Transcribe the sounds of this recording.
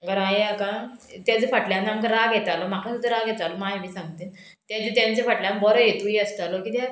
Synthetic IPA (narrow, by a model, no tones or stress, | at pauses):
ɡəɾãjeakãt̪jat͡sefəʈljanːamkɾaɡjɛt̪alɔm̤aklasud̪ʱəɾaɡʱjɛt̪alomaɦimiːsãŋɡt̪iːn | t̪ãd͡zt̪jãnt͡sefəʈljãmbəɾɔjet̪uiəst̪alokiːt̪ja